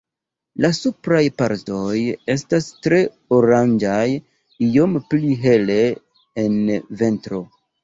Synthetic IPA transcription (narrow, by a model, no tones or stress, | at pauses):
lasupɾajpaɾto̞je̞stastɾe̞ | oɾand͡ʒaj | io̞mpliɦe̞le̞ː | nve̞ntɾo̞